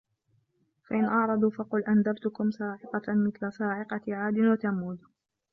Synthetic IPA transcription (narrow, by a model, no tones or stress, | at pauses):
faʔɪnʔɑʕɾˤɑd̪ˤuːfɑqʊlʔand̪abt̪ʊkʊmsɑːʕɪqɑmɪθlasˤɑːʕɪqɑʕaːd̪ɪnwat̪amːuːd̪